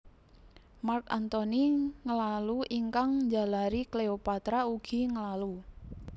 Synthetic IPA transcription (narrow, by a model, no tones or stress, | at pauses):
markant̪ɔniŋəlaluʔiŋkaŋɲd͡ʒa̤laɾikleopat̪ɾauɡ̥i̤ŋəlalu